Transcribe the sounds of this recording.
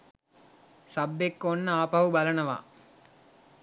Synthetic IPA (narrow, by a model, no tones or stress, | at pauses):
sɐbːekːonːəaːpɐʋubɐlɐnəʋa̰ː